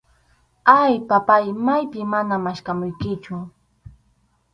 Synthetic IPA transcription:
ajpapajmajpɪmanamaʃkamʊjkɪt͡ʃʊ

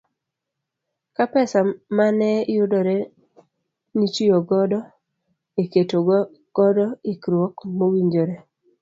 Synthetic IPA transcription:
kapɛsamanɛjʊdɔɾe | nit͡ʃioɡɔdɔ | eketo | ɡ̥ɔdɔɪkɾwɔkmowiɲd͡ʒoɾe

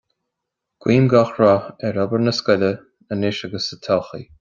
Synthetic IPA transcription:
ɡ̥wiːmɡɔxɹɔɛɹɔbəɹnəskʊlʲə | ənɪʃaɡəsət̪ʰɔxḭ

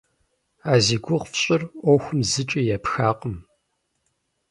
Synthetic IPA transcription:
aːziːɡʷʊʁfɕʼɪrʔʷɔxʷʊmzɨt͡ʃʼijɛpxaːqʼəm

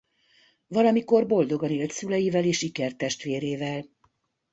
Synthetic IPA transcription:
vɒlɒmiko̞rbo̞ld̪o̞ɡɒneːlt̪sylɛjivɛleːʃikɛrt̪ɛʃt̪ʋeːɾeːvɛl

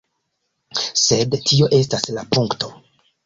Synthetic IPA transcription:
se̞dtʰio̞ʔe̞staslapuŋkto̞

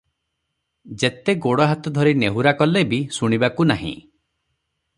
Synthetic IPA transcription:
d͡ʒet̪eɡoɽɔɦat̪ɔd̪ʱɔɾineɦuɾakɔlebisuɽ̃ibakunaɦḭ̃

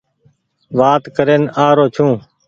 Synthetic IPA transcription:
ʋaːt̪kəɾeːnaːɾoːt͡ʃʰũː

